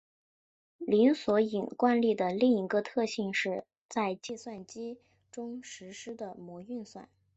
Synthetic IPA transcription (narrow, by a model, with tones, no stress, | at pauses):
li˧˥nswɔ˧˥i˨˩nkwa˥˧nli˥˩d̪ə˩li˥˩ŋi˧˥ɡə˧t̪ʰɤ˥˧ɕi˥˧ŋʂɻ̩˥˧ | t͡sa˥˧ɪt͡ɕi˥˧swa˥˩nt͡ɕi˥ | ʈ͡ʂʊ˥ŋʂɻ̩˧˥ʂɻ̩˥d̪ə˨mwɔ˧˥y˥˧nswa̰˥˩n